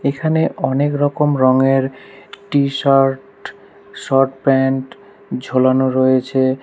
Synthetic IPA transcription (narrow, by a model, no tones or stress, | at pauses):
ekʰaneʔɔnekɾɔkomɾɔŋeɾʈiʃaɾʈ | ʃɔɾʈpɛɳʈ | d͡ʑʱolanoɾojet͡ɕʰe